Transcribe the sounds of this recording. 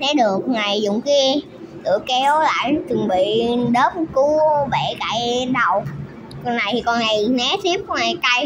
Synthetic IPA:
t̪e˨˦ɗɨ˨˩ək̚ŋaː˨˩jzʊ̰˧˨ŋ͡mki˧ | t̪ɨ̰˧˨˩əkɛ˨˦˨la̰ː˧˨jt͡ɕɨ˨˩ŋɓḭ˧˨ɗəː˦˥p̚ku˧˨˦ɓe˧˩kaː˧˩˦jɗə˨˩w | kɔ˧nːa˨˩jti˨˩kɔ˧nŋa˨˩jnɛ˨˦˥t̪ʰi˦˥p̚kɔ˧nŋaː˨˩jt̪a˧j

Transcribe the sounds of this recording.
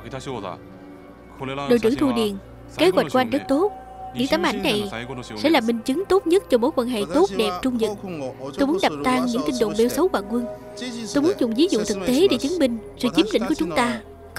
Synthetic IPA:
ɗo̰˧˨jt͡ɕɨ̰˧˩t̪ʰu˧ɗḭ˨˩ən | ske˨˦ɣwa˨˩tk̚ku˧ʔa˧ŋ̟zə˦˥t̚t̪o˦˥t̚ | ɲɨ̰˧˥ŋt̪aː˨˦mʔa˧˩jŋ̟na˨˩jsɛ̰˧˥laː˨˩ɓï˧˩ŋ̟t͡ɕɨ˨˦ŋt̪o˦˥t̚ɲə˦˥t̚t͡ɕɔ˧ɓo̰˧˥jkwaː˧nɦḛ˧˨t̪o˦˥t̚ɗɛ˨˩p̚t͡ɕʊ˧ŋ͡mzɨ̰˨˩t̚t̪o˧jmu˨˦ənɗa˨˩p̚t̪aː˧ŋɲɨ̰˧˥ŋt̪i˧nɗo̰˧˨ŋ͡mɓɛ˧wsə˨˦wvaː˨˩kwə˧n | t̪o˧jmu˨˦ənzʊ̰˨˧˨ŋ͡mvi˨˦zʊ̰˧˨t̪ʰɨ˨˩k̚t̪e˨˦ɗe˧˩˦t͡ɕɨ˨˦ŋɓï˧˩ŋ̟sɨ̰˧˨t͡ɕi˨˦mlḭ˧˥ŋku˧˩˦t͡ɕʊ˨˦ŋ͡mt̪aː˧

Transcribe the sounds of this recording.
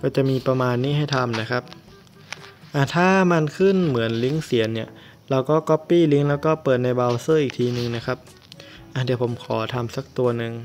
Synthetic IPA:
kɔː˥˩t͡ɕa˨˩ʔmiː˧pɾa˧maː˧nːiː˥˩ɦa˥˩jt̪ʰa˧mna˦˥kʰa˦˥p̚ | ʔa˧˩t̪ʰaː˥˩ma˧nkʰɯ˥˩nmɯ˩˦ənli˦˥ŋsi˩˦ənːi˥˩ɐ | ɾa˧wkɔː˥˩kɔ˦˥pːiː˥˩li˦˥ŋlɛː˦˥wkɔː˥˩pɤː˨˩t̪̚na˧jbaː˧wsɤː˥˩ʔiː˨˩k̚t̪ʰiː˧nɯ˧ŋna˦˥kʰa˦˥p̚ | ʔa˧˩di˨˩əpʰo˩˦mkʰɔ̰ː˩˦t̪ʰa˧msa˧˥k̚t̪u˧ɐnɯ˧ŋ

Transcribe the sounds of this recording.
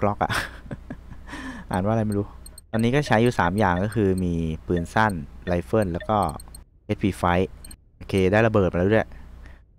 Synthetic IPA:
klɔ˦˥k̚ʔa̰˨˩ʔ | ʔaː˨˩˦nwa˥˩˧a˧jma˥jɾuː˦˥t̪ɔː˧nːiː˦˥kɔː˥˩t͡ɕʰa˦˥juː˨˩saː˩˦mjaː˨˩ŋkɔː˥˩kʰɯː˧miː˧pɯː˧nsa˥˩nla˧jfɤː˥˩nlɛː˦˥wkɔː˥˩ | he˦˥t̪̚wiː˧fa˦˥jʔoː˧kʰeː˧daː˥˩jla˧bɤː˨˩pːdu˥˩j

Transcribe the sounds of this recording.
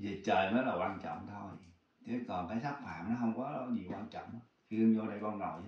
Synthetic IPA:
zi˨˩ət͡ɕəː˨˩jməː˨˦jlaː˨˩kwaː˧nt͡ɕɔ̰˧˨wŋ͡mt̪ʰo˧j | t̪ʰe˨˦kɔ˨˩nkaː˨˦jsa˦˥k̚faː˧˩mnɔ˨˦ɦə˧wŋ͡mkɔ˨˦lɲi˨˩waː˧nt͡ɕɔ̰˧˨wŋ͡mʔxi˧ŋɲo˧ɗə˧jkɔ˧nnɔ˨˩j

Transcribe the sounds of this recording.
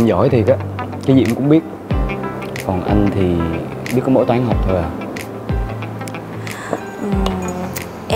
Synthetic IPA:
zɔ˧˩jt̪ʰi˨˩ka˨˦kaː˨˦zḭ˧˨əmkʊ̰˧˥ŋ͡mɓi˦˥ət̚ | kɔ˨˩nʔa˧jŋ̟t̪ʰi˨˩ | ɓi˦˥ətkːɔ˧˦mo̰˧˥˦t̪waː˨˦nɦa˨˩wk͡p̚t̪ʰo˧˩ja˨˩ | ʔɨ˨˩

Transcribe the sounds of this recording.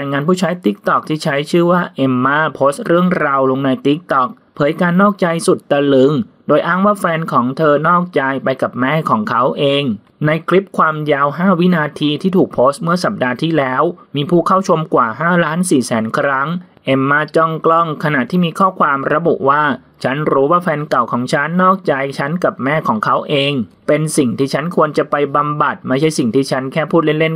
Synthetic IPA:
a˧jŋaː˧npʰuː˥˩t͡ɕʰa˦˥jt̪i˦˥k̚t̪ɔ˨˩k̚t̪ʰiː˥˩t͡ɕʰa˦˥jt͡ɕʰɯː˥˩waː˥˩ʔe˧˩mːaː˥˩pʰoː˦˥st̪̚ɾɯ˥˩əŋɾa˧wlo˧ŋna˧jt̪i˦˥k̚t̪ɔ˨˩k̚ | pʰɤː˩˦jkaː˧nːɔː˥˩k̚t͡ɕa˧jsu˨˩t̪̚ːa˧lɯ˨˦ŋdoː˧jʔaː˥˩ŋwaː˥˩fɛː˧nkʰɔː˩˦ŋt̪ʰɤː˧nɔː˥˩k̚t͡ɕa˧jpa˧jka˨˩p̚mɛː˥˩kʰɔː˩˦ŋkʰa˦˥wʔeː˧ŋ | na˧jkʰli˦˥p̚kʰwaː˧mjaː˧wɦaː˥˩wi˦˥naː˧t̪ʰiː˧t̪ʰiː˥˩t̪ʰuː˨˩k̚pʰoː˦˥st̪̚mɯ˥˩ɐsa˨˩p̚daː˧t̪ʰiː˥˩lɛː˦˥wmiː˧pʰuː˥˩kʰa˥˩wt͡ɕʰo˧mkwaː˨˩ɦaː˥˩laː˦˥nsiː˨˩sɛː˩˦nkʰɾa˦˥ŋ | ʔe˧˩mːaː˧˥˩t͡ɕɔ˥˩ŋklɔ˥˩ŋkʰa˧na˨˩ʔt̪ʰːiː˥˩miː˧kʰɔː˥˩kʰwaː˧mɾa˧bu˨˩ʔwaː˥˩ | t͡ɕʰa˦˥nɾuː˦˥waː˥˩fɛː˧nka˨˩wkʰɔː˩˦ŋt͡ɕʰa˦˥nːɔː˥˩k̚t͡ɕa˧jt͡ɕʰa˦˥nka˨˩p̚mɛː˥˩kʰɔː˩˦ŋkʰa˦˥wʔeː˧ŋ | pe˧nsi˨˩ŋt̪ʰiː˥˩t͡ɕʰa˦˥nkʰu˧ənt͡ɕa˨˩pa˧jba˧mba˨˩t̪̚ma˥˩jt͡ɕʰa˥˩jsi˨˩ŋt̪ʰiː˥˩t͡ɕʰa˦˥nkʰɛː˥˩pʰuː˥˩le˥˩nle˥˩n

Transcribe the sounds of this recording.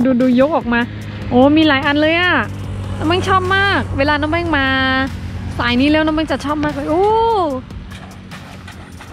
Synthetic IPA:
duː˧duː˧jo˦˥k̚ʔɔː˨˩k̚maː˧ | ʔoː˨˩˦miː˧laː˨˦jʔa˧nlɤː˧jʔaː˨˩ | t̪ɛː˨˩ma˧˥˩ŋt͡ɕʰɔː˥˩p̚maː˥˩k̚weː˧laː˧na˧˥˩bɛː˥˩ŋmaː˧ | saː˨˩˦jniː˦˥lɛː˦˥˩wna˧˥˩ma˧˥˩t͡ɕa˨˩t͡ɕʰɔː˥˩p̚maː˥˩laː˧˩jʔoː˧˩

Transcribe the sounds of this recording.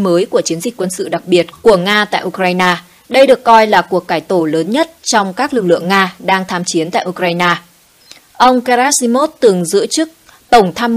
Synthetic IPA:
məː˨˦jku˧˩ət͡ɕi˨˦ənzi˨˩k̟̚ʲkwə˧nsɨ̰˧˨ɗa˨˩k̚ɓi˨˩ət̚ku˧˩əŋaː˧t̪a̰ː˧˨jʔu˧kɾaː˧jnaː˧ | ɗə˧jɗɨ˨˩əkːɔ˧jlaː˨˩ku˨˩ək̚ːaː˧˩jt̪o˧˩ləː˨˦nɲə˦˥t̚t͡ɕɔ˧wŋ͡mkaː˦˥k̚lɨ˨˩k̚lɨ̰˧˨əŋːaː˧ɗaː˧ŋt̪ʰaː˧mt͡ɕi˨˦ənt̪a̰ː˧˨ʔu˧kɾaː˧jnaː˧ | ʔə˧wŋ͡mka˧aː˦˥si˧mo˦˥t̚t̪ɨ˨˩əŋzɨ̰˧˥ət͡ɕɨ˦˥k̚ | t̪ə˧˩wŋ͡mt̪ʰaː˧m

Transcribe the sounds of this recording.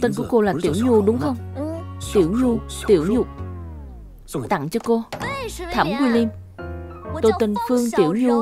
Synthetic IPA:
t̪i˧nku˧˩əko˧laː˨˩t̪ḭ˧˩əwɲu˧ɗʊ˨˦ŋ͡mxə˧wŋ͡mt̪i˧˩˦əwɲu˧t̪i˧˩˦əwɲʊ˨˩k͡p̚ | t̪a̰˧˨ŋt͡ɕɔ˧ko˧t̪ʰə˧˩˦mkwi˧li˧m | t̪o˧jt̪i˧nfɨ˧əŋt̪i˧˩˦əwɲu˧

